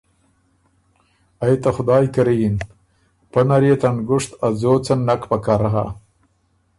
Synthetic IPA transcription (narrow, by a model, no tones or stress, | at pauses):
ajt̪axʊd̪ɑːjkaɾijin | pɐnaɾet̪anɡʊʂt̪ad͡zoːt͡sanːakpakaɾaɦa̰